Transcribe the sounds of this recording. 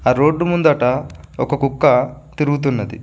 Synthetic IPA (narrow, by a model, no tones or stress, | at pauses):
aːɾo̞ːɖːumund̪ɐʈɐɔkɐkukːɐt̪iɾuɡut̪̬unːɐd̪ḭ